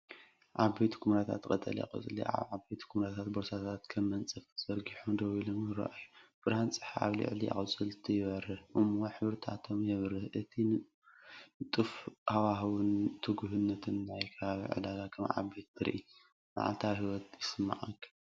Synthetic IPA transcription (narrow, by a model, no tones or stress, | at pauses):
ʔaβbejt̪kʰumɾat̪ʰa̰t̪kʼɐt̪ʼɐ̰lɐ̰qʼɨ̰t͡sʼɨlḭʔa̰βʕabet̪kʰumɾat̪ʰat̪boɾsat̪ʰat̪kʰɐmːɐnt͡sʼɨfz̥ɐɾɡiħumd̪oβilomjɨɾɐ̰ʔajub̥ɨɾhant͡sʼɨ̥ħaa̰βlḭʕlia̰χʼɨt͡sʼɨlt̪ʰɨjɪβɐɾɨhʔɨmwoħɨβɨɾt̪ʰat̪ʰomjɛβɾɨhʔɨt̪ʰinɨ | t̪ʼɨfhawaɦɨwɨnt̪ʰɨɡuɦɨnːɐt̪ʰɨnːajkʰɐβaβḭʕɨ̰laɡakʰɐmʕa̰bet̪t̪ʰɨɾ̰ʔi | ma̰ʕa̰lt̪ʰawɦiwɔt̪ʰjɪsɨmːa̰ʕakʰːɐ